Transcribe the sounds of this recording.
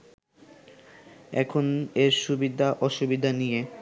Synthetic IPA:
ɛ̰kʰoneɾʃubid̪ʱaʔɔʃubid̪ʱanije

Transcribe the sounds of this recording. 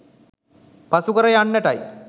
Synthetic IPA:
pasukəɾəjanːəʈaj

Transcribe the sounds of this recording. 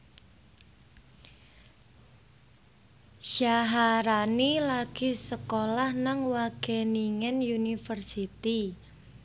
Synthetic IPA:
ʃaɦaɾanilaɡ̥i̤səkolahnaŋwaɡ̥ɛniŋɛnjunifərsit̪i

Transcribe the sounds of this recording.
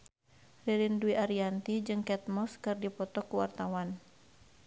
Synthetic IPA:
riɾinduiʔaɾiant̪id͡ʒɨŋkɛt̪̚mɔskɨrdipɔt̪ɔkuwart̪awan

